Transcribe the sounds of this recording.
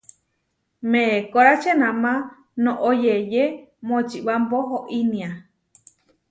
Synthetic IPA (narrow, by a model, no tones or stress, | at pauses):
mẽkoɾat͡ʃenãmã | nõʔojejemõt͡ʃiβamboɦoʔinĩa